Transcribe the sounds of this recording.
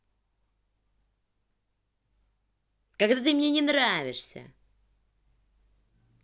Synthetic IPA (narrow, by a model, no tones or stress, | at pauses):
kaɡd̪at̪ɨmnʲe̞nʲɪnravʲɪʂsʲə̰